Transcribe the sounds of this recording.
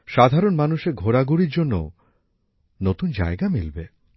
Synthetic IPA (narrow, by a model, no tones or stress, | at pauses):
ʃad̪ʱaɾonmanuʃeɾɡʱoɾaɡuɾiɾd͡ʑonːo̰ | not̪und͡ʑa̰eɡamilbe